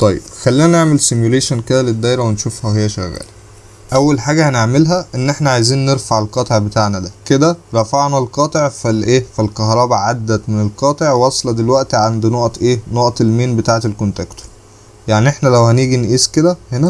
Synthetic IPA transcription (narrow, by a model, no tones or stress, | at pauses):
t̪ˤɑjːḛb̥xælːiːnæneʕmelsemjuleːʃænked̪æled̪ːæːjɾˤæwenʃufhæhejːæʃæɣːæ̰ːli | ʔæwːælħaːɡæhæneʕmelɦæʔenːʔeħnæʕajziːnːeɾfaʕelqɑːt̪ˤeʕbet̪aːʕnæd̪æked̪æɾˤɑfaʕnælqɑːt̪ˤeʕfælʔeːfilkɑɦɾˤɑːbæʕad̪ːæt̪menelqɑːt̪ˤeʕwɑsˤlɑd̪elwæʔt̪iʕand̪noʔt̪ʔeːnoʔɑt̪ˤelmeːnbet̪aːʕet̪elkont̪ækt̪o̥ɾ | jaʕniʔeħnælæwhæniːɡinʔiːsked̪æhenæ